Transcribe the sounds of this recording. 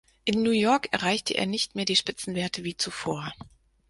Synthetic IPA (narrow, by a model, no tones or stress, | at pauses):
ʔɪnːuːjɔɐkʔɛɐʁaɪçtʰəʔḛːɐnɪçtmeːɐdiːʃpɪt͡sn̩veːɐtʰəviːt͡sufoːɐ